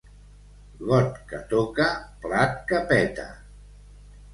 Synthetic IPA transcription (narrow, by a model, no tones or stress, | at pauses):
ɣɔt̪kat̪okaplat̪̚kapɛt̪a̰